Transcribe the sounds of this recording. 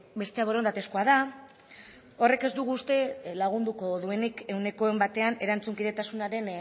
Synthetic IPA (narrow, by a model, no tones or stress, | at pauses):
be̞st̪e̞aβo̞ɾo̞nd̪at̪e̞skoað̞a | o̞re̞ke̞zd̪uɣ̞uːst̪e̞laɣ̞und̪uko̞ðue̞nike̞wne̞ko̞e̞mbat̪e̞ane̞ɾant͡suŋkiðe̞t̪asunaɾe̞n